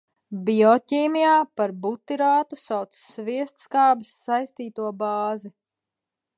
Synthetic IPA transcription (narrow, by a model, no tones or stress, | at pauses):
biɔcʲiːmijaːpaɾbut̪ːiɾaːt̪u̥sawt̪sviɛst̪skaːbisːajst̪iːt̪uɔbɑːzi